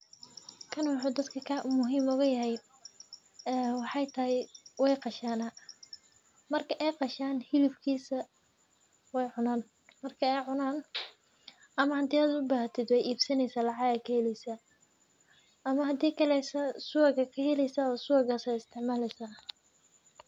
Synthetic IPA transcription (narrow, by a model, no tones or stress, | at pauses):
kʰɐnwɑħuːd̪ɐd̪kʰɐkʰaːʔʊmʊɦiːmʊɣɐjɐɦɛj | ɛːwɑħɑjt̪ʰɐhɪjwɛjqɑʃaːnɐ | mɐrkʰɐʔɛjqɑʃaːnhɪlɪbkʰiːsɐ | wɛjʕʊnaːn | mɐrkʰɐɛjʕʊnaːn | ɐmɐhɐd̪iːaːd̪ʊbaːht̪ʰɪd̪wɛjʔiːbsɐnɛjsaːlɑʕɑɣɐkʰɐhɛlɛjsɐ | ɐmɐɦɐd̪iːkʰɐlɛjsɐsuɐɣɐkʰɐhɛlɛjsɐɔːsʊɣɐsɛjɪst̪ʰɪʕmaːlɛjsa